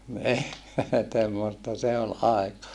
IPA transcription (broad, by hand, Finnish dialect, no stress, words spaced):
ni temːostɑ se ol ɑekɑ